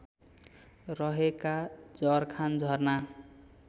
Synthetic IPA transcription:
rʌɦekad͡zʌrkʰand͡zʱʌrna

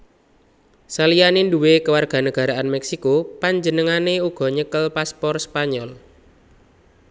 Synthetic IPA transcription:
salijanenduwekəwarɡ̥a̤nəɡ̥a̤ɾaanmɛksikopaɲd͡ʒənəŋaneuɡ̥ɔ̤ɲəkəlpaspɔrspaɲɔl

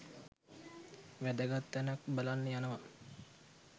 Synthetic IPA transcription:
ʋæd̪əɡat̪ːænakbalanːəjanəʋa

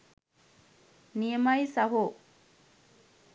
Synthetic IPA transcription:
nijemɐjisɐɦu

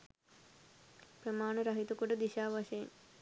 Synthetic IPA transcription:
pɾɐmaːɳɐɾɐɦit̪ukuɖɐd̪iʃaːʋɐʃɐjn

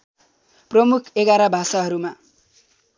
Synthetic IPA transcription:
prʌmukʰeɡaɾabʱasaɦʌɾuma

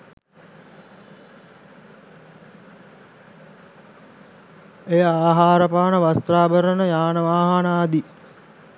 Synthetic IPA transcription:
ejəaːɦaːɾəpaːnəʋast̪ɾaːbəɾənəjaːnəʋaːɦanaːd̪i

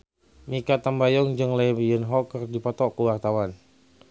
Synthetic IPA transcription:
mikat̪ambajɔŋd͡ʒɨŋlebjənɦɔkərdipɔt̪ɔkəwart̪awan

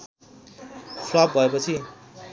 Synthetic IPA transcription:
fʰlʌp̚bʱʌepʌt͡sʰi

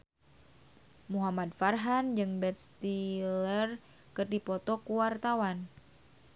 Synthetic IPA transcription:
muɦamad̪̚farɦand͡ʒɨŋbɛt̪̚st̪ilər | kɨrdipɔt̪ɔkuwart̪awan

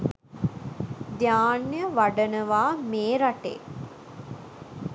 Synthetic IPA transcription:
d̪jaːnjəʋaɖənəʋaːmeːɾaʈḛː

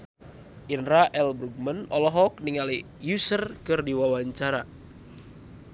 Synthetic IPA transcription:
ʔinɾaʔɛlbɾuɡ̚mənɔlɔɦɔk̚niŋali | jusərkɨrdiwawaɲt͡ʃaɾa

